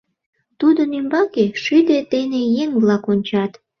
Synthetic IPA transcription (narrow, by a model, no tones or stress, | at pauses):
t̪ud̪onymbɑkeʃyd̪et̪enejeŋβlɑkonʲt͡ɕɑt̪